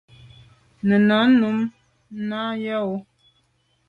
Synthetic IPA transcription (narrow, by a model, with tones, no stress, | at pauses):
nə˨na˨˦nu˨˦m | na˦ja˦o˦